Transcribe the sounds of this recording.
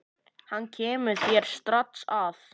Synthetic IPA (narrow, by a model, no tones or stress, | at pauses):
hanːcʰɛːmʏ̥θjɛɾ̥st̪ɾat̪saf